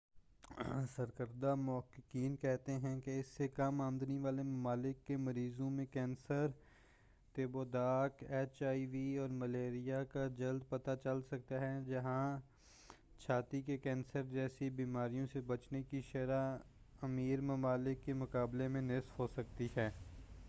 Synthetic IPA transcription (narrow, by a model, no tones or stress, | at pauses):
səɾkəɾd̪amʊɦəkːɪkiːnkɛɦt̪eɦɛ̃keɪsːekɐmaːmd̪niʋaːlemɐmaːlɪkːemɐɾiːzõmẽkɛ̃ːnsəɾ | t̪eːboːd̪aːkeːt͡ʃaːiʋiːɔːɾmɐleːɾijakad͡ʒɐld̪̚pɐt̪at͡ʃɐlsɐk̚t̪aɦɛd͡ʒɐɦã | t͡ʃʰaːt̪ikekɛ̃ːnsəɾd͡ʒɛːsibiːmaːɾijõsebɐt͡ʃnekiʃɐɾa | ɐmiːɾmɐmaːlɪkːemʊkaːblemẽnɪsfɦosɐk̚t̪iɦɛː